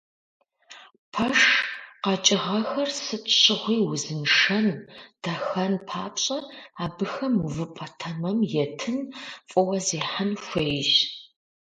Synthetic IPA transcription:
pʰɐʂqɐt͡ʃʼɪʁɐxɐrsɨtʼɕɪʁʷiːwʊzɨnʂɐnd̥ɐxɐnpʰaːpɕʼɐaːbɨxɐmuvɨpʼɐtʰɐmɐmjɛtʰɨnfʼɔwɐziːħanxʷejʒ

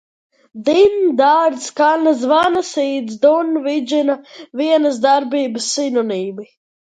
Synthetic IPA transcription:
d̪ind̪aɾskalaz̬vanasiːd̪zd̪unvid͡ʒinaviɛnəzd̪aɾbiːbəsːinuniːmi

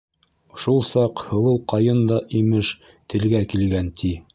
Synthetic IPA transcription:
ʃulˠsɑqhɤ̆lˠɤwqɑjɤnd̪ɑʔimɘʃ | t̪ɘ̆lɡækilɡænt̪ʰi

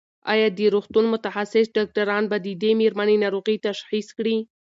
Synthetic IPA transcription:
ɑ̰jɑd̪əɾoxt̪unmʊt̪axasɪsɖɑk̚ʈaɾɑnbad̪əd̪emeɾmanenaɾoɣit̪aʃxiskɽi

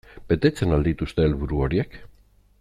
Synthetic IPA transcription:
b̥e̞t̪e̞t͡se̞nald̪it̪ust̪e̞ːlβuɾuo̞ɾie̞k

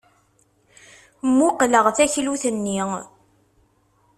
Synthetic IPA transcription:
mːuqləʁθæçluθənːi

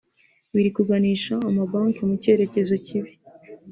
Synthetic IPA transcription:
βiɾikuɡaniːʃaːmabaːŋkemuce̞ɾe̞ce̞zo̞ciβi

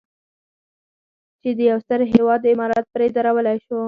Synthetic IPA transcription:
t͡ʃed̪əjawst̪əɾɦewɑd̪̚ːəɪmɑɾɑt̪̚pɾed̪aɾawəlajʃo

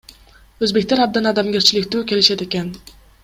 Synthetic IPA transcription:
ɵzbe̞kʲt̪aɾab̚d̪anad̪amɡʲaɾt͡ʃʰɪlɪkʲt̪ukʲe̞lɪʃad̪ekʲan

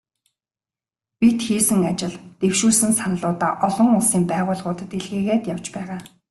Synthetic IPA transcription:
pʲit̪xiːsɘ̆ŋat͡ɕɪ̆ɮt̪ewʃuːsɘ̆nsanə̆ɮʊːt̪aːʔɔɮɞ̆ŋʊɮsiːmpæːʁʊːɮʁʊːt̪ə̆t̪eɮɣeːɣeːt̪jaw̥t͡ɕpæːʁaː

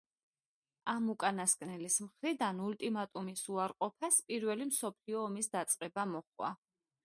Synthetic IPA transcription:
amukʼanaskʼnɛlismχɾid̪anult̪ʼimat̪ʼumisuaɾqʼɔpʰaspʼiɾvɛlimsɔpʰliɔːmisd̪at̪sʼqʼɛbamɔχwa̰

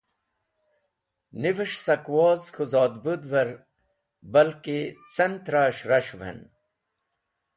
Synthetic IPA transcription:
niviʂsɐkwoːzxuzɑːd̪bud̪ʋɐɾ | bɐlket͡sɐnt̪ɾaːɕɾɐɕʋḛn

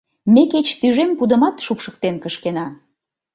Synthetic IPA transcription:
meket͡ɕt̪yʒempud̪ə̆mɑt̪ʃupʃə̥k̚t̪enkəʃkenɑ

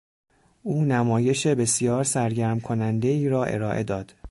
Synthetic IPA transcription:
ʔuːnæmɒːje̞ʃe̞be̞sijɒːɾsæɾɟæɾmkʰonænd̪e̞iːɾɒːʔe̞̰ɾɒːʔe̞̰d̪ɒːd̪̥

